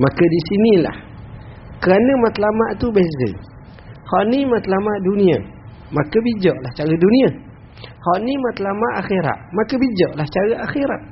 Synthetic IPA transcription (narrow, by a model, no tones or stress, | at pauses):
makədisinila̰h | kəɾanəmat̪lamaʔt̪ubezə̰ | hɔʔnimat̪lamaʔduniə̰ | makəbid͡ʒɔʔlaht͡ʃaɾəduniə | hɔʔnimat̪lamaʔaxiɾa̰ʔ̪makəbid͡ʒɔʔlaht͡ʃaɾəʔaxiɾaʔ̪̚